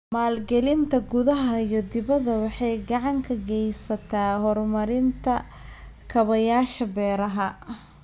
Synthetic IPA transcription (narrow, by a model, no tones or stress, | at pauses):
maːlɡɛlɪnt̪ʰɐɡʊðɐɦɐijɞd̪ɪβɐðɐwɑħɑjɡɐʕɑŋkʰɐɡɛjsɐt̪ʰaːɦɔrmɐɾɪnt̪ʰɐ | kʰɐβɐjaːʃɐbɛːɾɐɦɐ